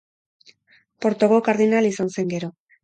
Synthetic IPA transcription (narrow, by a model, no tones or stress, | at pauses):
po̞ɾt̪o̞ɣo̞kaɾðinalisanse̞ŋɡe̞ɾo̞